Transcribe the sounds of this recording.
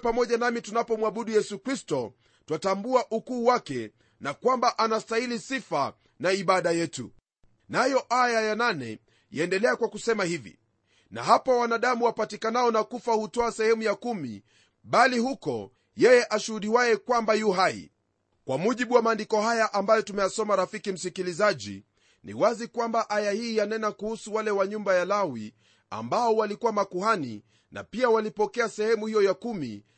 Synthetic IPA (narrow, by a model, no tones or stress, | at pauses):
pamɔʄanamitunapɔmwaɓuɗujɛsukɾistɔ | twatambuaʔukuːwakɛ | nakwambaʔanastailisifa | naiɓaɗajɛtṵ | najɔʔajajananɛ̰ | jaɛndɛlɛakwakusɛmahivḭ | na̰ɦapawanaɗamuwapatikanaɔnakufahutɔasɛhɛmujakumḭ | ɓalihukɔ | jɛjɛʔaʃuhuɗiwajɛkwambajuɦaḭ | kwamuʄiɓuwamaːndikɔhajaʔambajɔtumɛjasɔmaɾafikim̩sikilizaʄḭ | nḭwazikwambaʔajahiːjanɛnakuhusuwalɛwaɲumbajalawi | a̰mbaɔwalikuwamakuhani | na̰piawalipɔkɛasɛhɛmuhijɔjakumḭ